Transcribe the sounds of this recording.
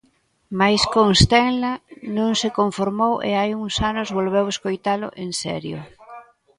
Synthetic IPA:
majskoŋst̪ɛŋlanõŋsekoɱfoɾmowʔḛajuŋsanʊzβolβeweskojt̪alʊ̰ʔeŋsɛ̰ɾjo

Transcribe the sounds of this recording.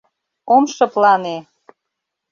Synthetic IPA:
omʃɤ̆plɑne

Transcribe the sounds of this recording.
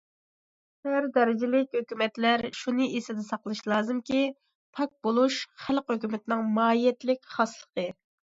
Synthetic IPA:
æɾd̪ɛɾɪd͡ʒɪlɪkʲhøkʲymɛt̪læɾʃunɨʔesɪd̪ɪsɑqlˠɨʃlˠɑːzɨmkʲi | pʰɑk̚bolˠuʃχælqhøkʲymɪt̪nɪŋmɑːijɛt̪lɪkʲχɑslˠə̥qʰə

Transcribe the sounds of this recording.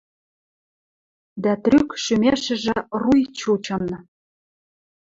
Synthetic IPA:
d̪æt̪rʲykʃymʲeʃɘ̆ʒɘ̆rujt͡ɕut͡ɕɤ̆nɤ̆

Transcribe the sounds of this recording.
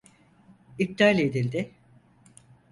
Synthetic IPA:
ip̚d̪alʲed̪ilʲd̪ɪ

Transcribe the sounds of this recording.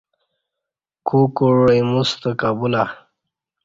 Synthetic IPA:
kʰukoɻejmust̪əkabula

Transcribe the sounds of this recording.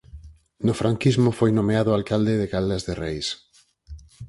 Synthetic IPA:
nʊfɾaŋkizmʊfojnomeaðʊalkald̪ɪðɪɣalazðerejs

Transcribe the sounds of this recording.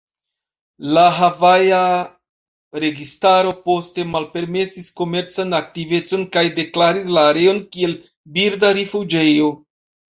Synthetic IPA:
laɦavaja | ɾe̞ɡistaɾo̞po̞ste̞malpe̞ɾme̞sisko̞me̞ɾt͡sanak̚tive̞t͡so̞nkajde̞klaɾislaːɾe̞o̞nkie̞l | biɾdaɾifud͡ʒe̞jo̞

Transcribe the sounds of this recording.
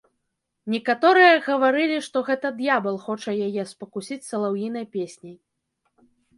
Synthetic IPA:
nʲɛkat̪ɔɾɨjɐɣɐvaɾɨlʲiʂt̪ɔɣɛt̪ɐd̪jabɐlˠxɔt͡ʂɐjajɛspɐkusʲit͡sʲsɐlˠawjinɐjpʲesʲnʲij

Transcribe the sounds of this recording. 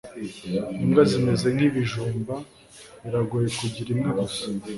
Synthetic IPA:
imɡazime̞ze̞n̥hiβiʒuːmba | βiɾaɡojekuɟiɾimŋaβuso

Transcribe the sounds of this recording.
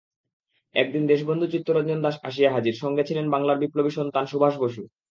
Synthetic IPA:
ɛ̰k̚d̪ind̪eʃ̬bond̪ʱud͡ʑut̪ːoɾadd͡ʑond̪aʃa̰ʃ̬ijaɦad͡ʑiɾʃɔŋɡet͡ɕʰilenbaŋlaɾbiplobiʃont̪anʃubʱaʃ̬boʃu

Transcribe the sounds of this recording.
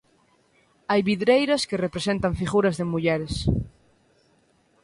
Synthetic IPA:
ajβiðɾejɾaskerepɾesẽnt̪aɱfiɣuɾazðemuʎɛɾes

